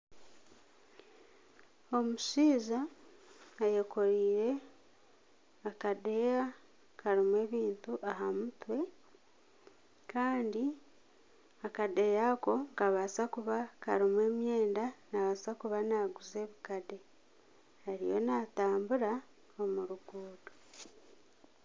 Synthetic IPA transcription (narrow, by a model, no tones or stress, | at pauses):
o̞muʃiːzaː | jeko̞ɾiːɾe̞ | akade̞a | kaɾimwe̞ːβiːntuʔaɦamutwe̞ | kaːndi | akade̞jako̞ŋkaβasakuβaka̰ɾimwe̞ːmje̞ːndanaβasakuβanaɡuze̞βikade̞ | haɾḭjo̞̰nataːmbuɾa | omuɾuɡ̥uːdo